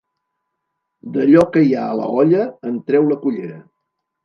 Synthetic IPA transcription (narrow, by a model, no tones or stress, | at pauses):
d̪əʎɔkəjaələ̰ɔʎəənt̪ɾɛwləkuʎeɾə